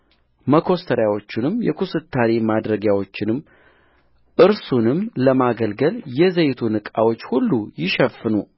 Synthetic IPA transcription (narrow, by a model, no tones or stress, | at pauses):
məkʰo̞st̪ʰəɾjawo̞t͡ʃːɪnɨmjɛ̰kʰusɨt̪ʰːaɾemad̪ɾəɡjawo̞t͡ʃːɪnɨm | ʔɨɾsunɨmləmaɡəlɡəljɛzəjt̪ʰunɨkʼawo̞t͡ʃːhulːujɪʃɛfːɨnu